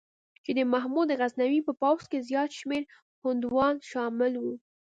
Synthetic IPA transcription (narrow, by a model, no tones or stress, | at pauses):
t͡ʃed̪əmaɦmud̪əɣaznawipəpawskezjɑt̪ʃmeɾ | hʊnd̪wɑnʃɑmɪlwu